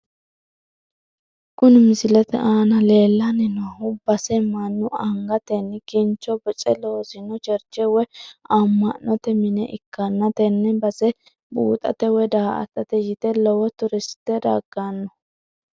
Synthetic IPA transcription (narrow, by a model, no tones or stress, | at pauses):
kʊnɪmɪsɪlɛt̪ɛ̰ʔaːnɐle̞ːlːɐnɪnahʊbɐsɛmɐnːʊɐŋɡɐt̪ɛnːkɪnt͡ʃːɔbɛt͡ʃʼɛloːsɪnɔt͡ʃɛɾt͡ʃːɛwɛɐmːɐnːɔt̪ɛmɪnɛʔɪ̰kːɐnːɐt̪ɛnːɛbɐsɛ | bṵːt̪ʼɐ̰t̪ɛwɛd̪aːʔɐ̰t̪ːɐt̪ɛjɪt̪ɛlɔwɔt̪ʊɾɪsɪ̥t̪ːɛd̪ɐ̰ɡ̥anːɔ